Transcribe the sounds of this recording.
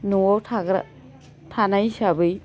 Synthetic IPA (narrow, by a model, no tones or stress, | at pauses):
nuɔtʰaɡɾa̰ | tʰanajsabɯj